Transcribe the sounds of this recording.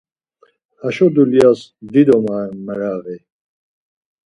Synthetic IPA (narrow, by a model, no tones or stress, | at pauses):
aʃɔd̪ulijasd̪id̪ɔmaɛmɛɾaɣi